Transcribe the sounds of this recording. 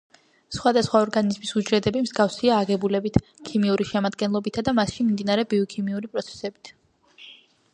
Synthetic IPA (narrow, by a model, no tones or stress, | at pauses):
sχwad̪asχwaɔɾɡanizmisud͡ʒɾɛd̪ɛbimz̥ɡafsiaːɡɛbulɛbit̪ʰ | kʰimiuɾiʃɛmad̪ɡɛnlˠɔbit̪ʰad̪amasʃimimd̪inaɾɛbiɔkʰimiuɾipʼɾɔt̪sʰɛ̥sɛbit̪ʰ